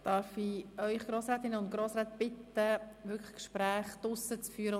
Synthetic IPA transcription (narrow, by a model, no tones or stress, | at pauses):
d̥ɑɾfiœʏχɡ̥ɾoːsɾɛːt̪ɪnəʊntɡ̥ɾoːsɾɛːt̪b̥ɪt̪əʋʏkə̥kʃpɾæːχd̪̥ʊsət͡sfyːəɾə